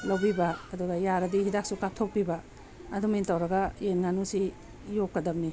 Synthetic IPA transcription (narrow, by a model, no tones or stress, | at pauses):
lɐwbibɐːduɡɐjaɾɐdiɦidak̚sukap̚tʰok̚pibɐ | ɐdumintɐwɾɐɡɐjenŋanusi | jokkːɐdɐbni